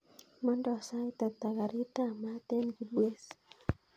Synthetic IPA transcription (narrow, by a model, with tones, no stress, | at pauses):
ma˦ndɔ˨sa˦i˦t̪a˨t̪a˨ɡa˨ɾi˦ta˦ma˦t̪e˦nɡi˨ɗwe˦s